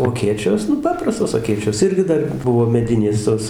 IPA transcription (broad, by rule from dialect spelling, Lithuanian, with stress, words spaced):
oː ɐˈkʲeːt͡ʃʲoːs ˈnʊ ˈpɑːprɐstoːs ɐˈkʲeːt͡ʃʲoːs ˈɪrʲɡʲɪ ˈdɐr ˈbʊʋoː mʲɛˈdʲɪnʲeːs ˈtoːs